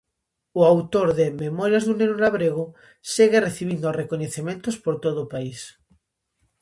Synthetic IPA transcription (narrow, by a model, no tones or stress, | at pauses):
ʊawt̪oɾðememɔɾjazðunenulaβɾeɣ̞o | seɣereθiβ̞ind̪orekoɲeθemẽnt̪ospoɾt̪oðoːpais